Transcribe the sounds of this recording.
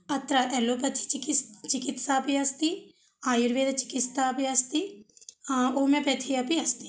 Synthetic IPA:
ɐt̪ɾaʔɛlopɐt̪ʰi̥t͡ʃikist͡ʃɪkit̪sapiɐst̪i | aːjuɾʋeːd̪at͡ʃɪ̥kist̪apiɐst̪i | oːmẽpɐt̪ʰiɐpiɐst̪i̥

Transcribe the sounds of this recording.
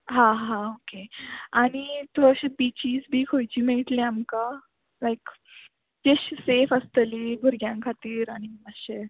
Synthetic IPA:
ɦãɦãokeaɽ̃it̪oəɕebit͡ɕiːzbʱiːkʰojt͡ɕiːmeɭʈleamka | lajk | d͡ʑeɕsefəst̪əlibʱuɾɡjãŋkʰat̪iːɾaɽ̃iəɕe

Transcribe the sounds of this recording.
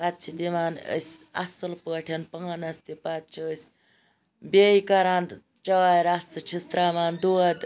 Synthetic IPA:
pat̪̚t͡ʃʰid̪iʋaːnə̰sʲɐ̰sɐlpəːʈʰʲɐnpɐŋanɐst̪ipat̪̚t͡ʃʰiəsʲ | beikɐɾaːn | t͡ʃɐːaɾasɨt͡ʃʰist̪ɾaːʋaːnd̪uɐd̪

